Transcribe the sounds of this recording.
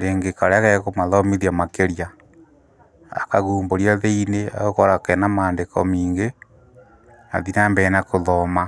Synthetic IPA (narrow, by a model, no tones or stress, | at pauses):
ɾeŋɡekaɾeaɣɛkomaðɔmiðiamakeɾja | a̰kaɣuːmboɾjaðeinea̰ɣokɔɾakɛnamaːndekɔmiːŋɡe | a̰ðinambɛnakoðɔma